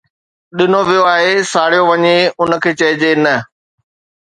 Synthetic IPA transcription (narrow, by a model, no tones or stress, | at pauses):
ɗɪnoʋijoaːɦesaːɽ̤ijoʋɐɲeʊnə̆kʰeːt͡ɕɐɦɪd͡ʑenɐ